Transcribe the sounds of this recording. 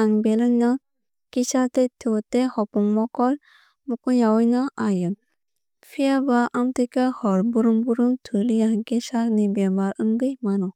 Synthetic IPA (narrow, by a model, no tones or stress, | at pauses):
aŋbelɯnɔ | kisat̪et̪ʰutehɔpuŋmɔkɔl | mukuɲawɯjnɔʔajɯn | pʰijabaʔamt̪ikahɔɾbuɾuŋbuɾuŋt̪ʰuliaŋkesaɾnibɛbaɾɯŋɡɯjmanɔ